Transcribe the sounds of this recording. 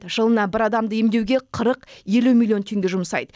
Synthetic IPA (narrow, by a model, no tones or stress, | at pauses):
ʒ̥əlˠənɑbɪɾɑd̪ɑmd̪əjemd̪e̞wɡʲe̞qʰəɾəqje̞lumʲilʲˠijo̞nt̪ʰe̞ŋɡʲe̞ʒʊməsɑ̰jd̪ə